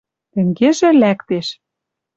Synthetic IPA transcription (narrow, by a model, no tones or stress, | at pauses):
t̪ɘ̆ŋɡeʒĕlækt̪eʃ